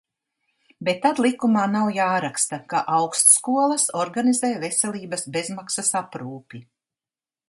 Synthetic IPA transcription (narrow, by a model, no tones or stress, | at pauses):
bet̪ːad̪lˠikumaːnawjaːɾakst̪akaʔawkst̪skuɔlˠɐsɔɾɡanizeːjvesɛlʲˠiːbɐsbe̞zmaksasapɾuːpʲi